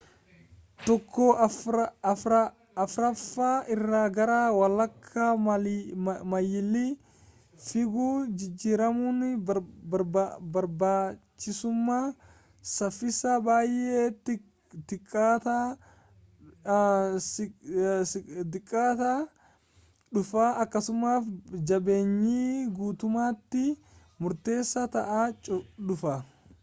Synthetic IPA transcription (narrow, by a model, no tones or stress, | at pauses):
t̪ɔkʰːo | ɾɐː | fɾɐfːaːʔɪrːaːɡɐɾaːwɐlːɐkʰːa | mɐjɪlːi | fɪɡuːd͡ʒɪd͡ʒːiːɾɐmuːnɪɐɾbɐɾbaːt͡ʃːɪsʊmːaː | sɐfːɪsaːbaːjʔeːt̪ː | t̪ɪkʼːaːt̪a | s | sɪd̪ɪkʼːaːt̪a | ᶑʊfaːɐkːɐsʊmaːfd͡ʒɐbe̞ːɲːiːɡuːt̪ʊmaːt̪ːɪ | mʊɾt̪e̞ːsːɐt̪ɐʔaːt͡ʃʼʊᶑʊfɐ